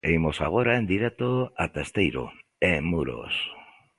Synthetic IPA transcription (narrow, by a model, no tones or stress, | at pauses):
ejmosa̰ɣ̞oɾaend̪iɾɛt̪oat̪est̪ejɾo̰ | emuɾo̰s